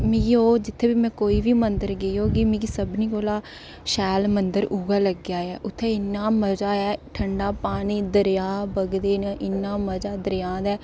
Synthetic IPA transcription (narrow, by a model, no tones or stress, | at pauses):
mĩɡioːd͡ʒɪt̪ʰːeːbiːmɛ̃ːkoːiːʋiːmənd̪əɾɡəoːɡimĩːɡiːsəbniːkoːlaː | ʃɛːlmənd̪əɾuːɡaːləɡjaːɛːʔʊt̪ʰːeːɪnːaːməd͡ʒaːɛːʈʰəɳɖaːpaːñiːd̪əɾjaːbəɡd̪eːnaʔɪnːaːməd͡ʒaːd̪əɾjãːd̪ɛː